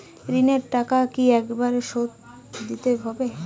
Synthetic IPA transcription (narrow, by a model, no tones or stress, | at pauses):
ɾineɾʈakakiɛkbaɾʃot̪ | d̪it̪eɦɔbe